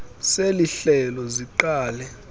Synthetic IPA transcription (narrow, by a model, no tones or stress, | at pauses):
seliɬɛlɔziǃaːlɛ